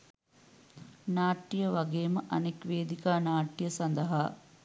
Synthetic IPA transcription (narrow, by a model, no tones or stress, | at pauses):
naːʈːijəʋɐɡeːməʔɐnekʋeːd̪ikaːnaːʈːijəsɐnd̪əɦaː